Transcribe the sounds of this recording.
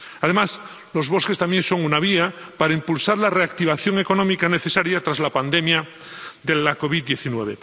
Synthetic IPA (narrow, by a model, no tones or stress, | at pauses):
að̞e̞mas | lo̞zβo̞ske̞st̪amje̞nso̞ŋunaβ̞iapaɾaimpulsaɾlare̞ak̚t̪iβ̞aθjoŋe̞ko̞nomikane̞θe̞saɾjat̪ɾazlapand̪emja | ðe̞lako̞βiðːje̞θinwe̞βe̞̰